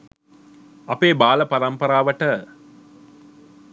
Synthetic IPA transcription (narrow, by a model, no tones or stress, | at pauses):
ɐpeːbaːlɐpɐɾɐmpɐɾaːʋɐʈə